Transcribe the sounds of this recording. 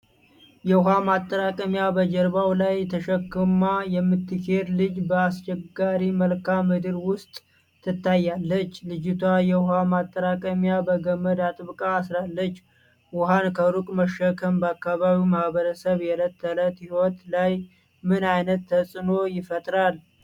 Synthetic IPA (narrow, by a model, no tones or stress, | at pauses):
jɛwhamat̪ʼːəɾakʼəmjabəd͡ʒəɾβawlajt̪ʰəʃəkːɨmajɛmːɨt̪ːɨkʰe̞d̪lɨd͡ʒbəast͡ʃʼɛɡaɾiməlkʰamːɨd̪ɨɾwʊst̪ʼʰː | ɨt̪ʰːajːalːət͡ʃːlɨd͡ʒɪt̪ʰwajɛwhamat̪ʼːəɾakʼəmjabəɡəmːəd̪at̪ʼɨβkʼaːsɾalːət͡ʃː | wʊɦankʰəɾukʼməʃːəkʰəmbəakːaβaβimahβəɾəsəβjɛlət̪ʰːələt̪hiwot̪laj | mɨnajnət̪ːʰəsʼɨno̞jɪfət̪ʼɾal